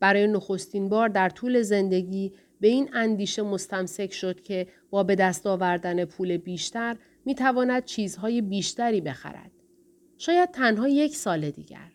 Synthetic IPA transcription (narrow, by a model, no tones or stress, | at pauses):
b̥æɾɒːje̞noxo̞st̪inbɒːɾd̪æɾt̪ʰuːle̞ze̞nd̪e̞ɟiː | be̞iːnænd̪iːʃe̞mo̞st̪æmse̞cʰʃo̞d̪̥̚cʰe̞b̥ɒːbe̞d̪æst̪ɒːvæɾd̪æne̞pʰuːle̞biːʃt̪æɾ | miːt̪ʰævɒːnæd̪̚t͡ʃʰiːzɦɒːje̞biːʃt̪æɾiːbe̞xæ̰ɾæ̰d̪̥̚ | ʃɒːjæd̪̥̚t̪ʰænɦɒːje̞cʰsɒːle̞d̪ḭːɟæ̰ɾ